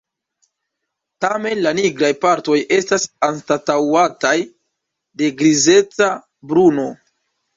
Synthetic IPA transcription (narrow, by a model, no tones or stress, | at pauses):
tame̞nlaniɡɾajpaɾto̞jʔe̞stasanstatawataj | de̞ɡɾize̞t͡sa | bɾuno̞